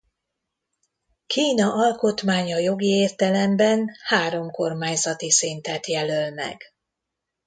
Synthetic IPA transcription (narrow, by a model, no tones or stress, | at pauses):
kʰiːnɒʔɒlko̞t̪maːɲɒjo̞ɡieːrt̪ɛlɛmbɛnhaːɾo̞mko̞rmaːɲzɒt̪isint̪ɛt̪jɛlølmɛ̰ɡ̥